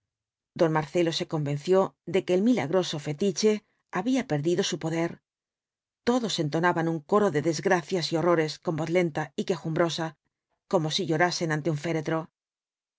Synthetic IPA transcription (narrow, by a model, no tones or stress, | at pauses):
d̪o̞nmaɾθe̞lo̞se̞ko̞mbe̞nθjo̞ðe̞keːlmila̰ɣɾo̞so̞fe̞t̪it͡ʃe̞ | aβiape̞ɾðiðo̞supo̞ðe̞ɾ | t̪o̞ðo̞se̞nt̪o̞naβanuŋko̞ɾo̞ðeðe̞zɣɾaθjasio̞ro̞ɾe̞sko̞mbo̞θle̞nt̪aike̞xumbɾo̞sa | ko̞mo̞siʎo̞ɾase̞nãnt̪e̞uɱfe̞ɾe̞t̪ɾo̞